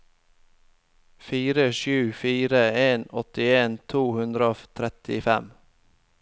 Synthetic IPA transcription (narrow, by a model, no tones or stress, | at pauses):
fiːɾəʃʉːfiːɾəeːnɔt̪ɪeːnt̪ʰuːhʉnd̪ɾəoft̪ʰɾɛt̪ɪfɛm